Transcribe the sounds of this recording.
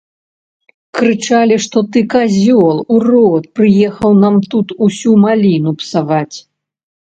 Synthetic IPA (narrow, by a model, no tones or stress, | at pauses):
kɾɨt͡ʂalʲiʂt̪ɔt̪ɨkazʲɔlˠurɔt̪̚pɾɨjɛxɐwnamt̪ut̪usʲumalʲinupsavat͡sʲ